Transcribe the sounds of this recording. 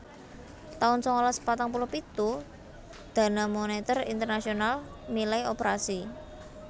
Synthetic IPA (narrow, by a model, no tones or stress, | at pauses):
t̪aʊnsɔŋɔlaspat̪aŋpulɔhpit̪u | d̪̥a̤namonet̪ərint̪ərnasional | nilaiopeɾasi